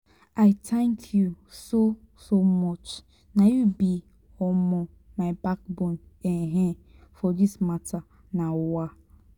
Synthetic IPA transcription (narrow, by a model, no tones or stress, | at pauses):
aɪtʰɛ̃ŋkʰju | so | somɔt͡ʃ | najubi | ɔmɔ | maɪbak̚bɔ̃neɦefɔdismatʰa | nawa